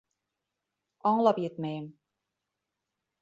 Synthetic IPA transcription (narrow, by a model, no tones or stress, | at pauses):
ɒɴlˠɑpjet̪mæjɘm